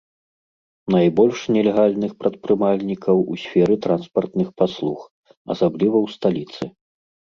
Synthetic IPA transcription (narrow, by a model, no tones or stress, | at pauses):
najbɔlʲʂnʲɛlʲɛɣalʲnɨxpɾɐt̪̚pɾɨmalʲnʲikɐwusʲfʲɛɾɨt̪ɾanspɐrt̪nɨxpaslˠux | ɐ̰sablʲivɐwst̪alʲit̪sɨ